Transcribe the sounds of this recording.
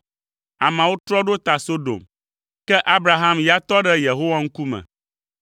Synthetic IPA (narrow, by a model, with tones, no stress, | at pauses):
a˨mã˨wo˦t̪ɾɔ˦ɖo˦t̪a˨so˦ɖo̰˨m | kɛ˦ʔa˦bɾa˨ɦa˦mja˨t̪ɔ˦ɖɛ˦je˨ɦo˦wa˦ŋ̩˦ku˦mɛ̰̃˨